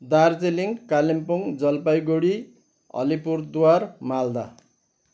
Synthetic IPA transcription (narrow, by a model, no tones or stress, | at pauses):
d̪ard͡zeliŋkalimpoŋd͡zʌlpajɡoɽi | ʌ̰lipurd̪uwarmald̪a